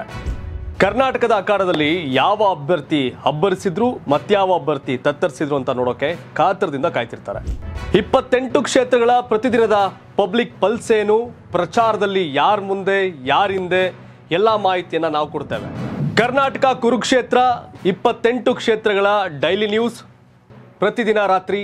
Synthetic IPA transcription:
kɐɾnaːʈɐkɐd̪ɐːkaːɽɐd̪ɐlːijaːʋɐːbʱjɐɾt̪ihɐbːɐɾisid̪ɾuːmɐt̪ːjaːʋɐːbʱjɐɾt̪it̪ɐt̪ːɐɾisid̪ɾuɐnt̪ɐnoːɽoːkːe̞kʰaːt̪ɐɾɐd̪ind̪ɐkaːjt̪iɾt̪a̰ːɾe̞̰ipːɐt̪ːe̞ɳʈukʂeːt̪ɾɐɡɐɭɐpɾɐt̪id̪inɐd̪ɐ | pɐblik̚pɐlseːnupɾɐt͡ʃaːɾɐd̪ɐlːijaːɾmund̪e̞jaːɾind̪e̞ | ɛlːɐmaːɦit̪ijɐnːɐnaːʋukoɽt̪eːʋḛkɐɾnaːʈɐkɐkuɾukʂeːt̪ɾɐipːɐt̪ːe̞ɳʈukʂeːt̪ɾɐɡɐɭɐɖɐjlinjuːs | pɾɐt̪id̪inɐɾaːt̪ɾi

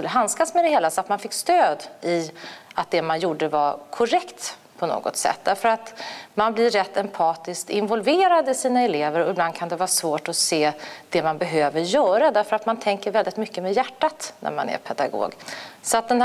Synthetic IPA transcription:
kɵlːəɦanskasmɛd̪ɛheːlasɔat̪manfɪkːst̪øːd̪ɪat̪̚d̪ɛmanjuːɖəvaɾkʰɔɾɛkt̪ | pʰɔno̰ːɡɔ̰t̪sɛ̰t̪̚ːd̪æɾfəɾat̪manblɪːɛt̪ːɛmpʰɑːt̪ɪskt̪ɪnvɔlveːɾad̪ɪsiːnaɛleːvəɾɔɪbland̪̚kʰand̪ɛvɑːɾsvoːʈɔseːd̪̥ɛmanbɛɦøːvəɾjœːɾad̪æɾfœɾat̪mant̪ʰɛŋkəɾvɛld̪ɪt̪mʏkːəmɛjæʈːat̪nʔæ̰ɾma̰næ̰ɾpʰɛd̪a̰ɡo̰ːɡsɔat̪̚d̪ɛn

